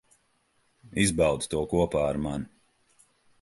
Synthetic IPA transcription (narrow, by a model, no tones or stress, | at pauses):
izbawd̪̥t̪uɔkuɔpaːaɾman